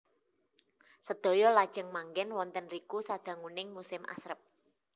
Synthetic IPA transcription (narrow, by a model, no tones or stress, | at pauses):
səd̪̥o̤jɔlad̥ʒ̥əŋmaŋɡɛnwɔnt̪ənrikusad̪̥a̤ŋunɪŋmusɪmʔa̰sɾəp̚